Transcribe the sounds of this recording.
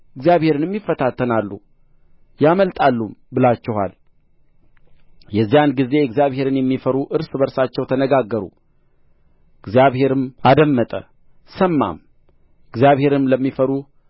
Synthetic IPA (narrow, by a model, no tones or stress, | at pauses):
ɨɡzjaβhe̞ɾɨnɛmːifːət̪ʰat̪ʰːənalːṵ | jaməlt̪ʼalːumbɨlat͡ʃːɛha̰l | jɛzːijanɡize̞ɨɡzijaβhe̞ɾɨnjɛmːifəɾuʔɨɾsbəɾsat͡ʃːɛwt̪ʰənəɡaɡːəɾṵ | ɨɡzijaβhe̞ɾɨmad̪əmːət̪ʼə̰ | səmːa̰m | ʔɨɡzjaβhe̞ɾɨmləmːifəɾu